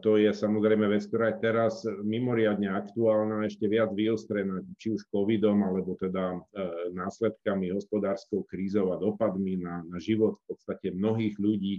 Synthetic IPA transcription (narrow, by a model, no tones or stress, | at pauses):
t̪ɔjɛsamɔzɾɛjmɛʋɛt͡skt̪ɔɾaːjɛt̪ɛɾasmimɔɾɪad̪ɲɛakt̪uaːlnaɛʃcɛʋɪad͡zʋiɔst̪ɾɛnact͡ʃiuʃkɔʋid̪ɔmalɛbɔt̪ɛd̪anaːslɛt̪kamiɦɔspɔd̪aːɾskɔʊkɾiːzɔʊad̪ɔpad̪minanaʒiʋɔt̪fpɔt̪st̪acɛmnɔɦiːɣʎuɟiː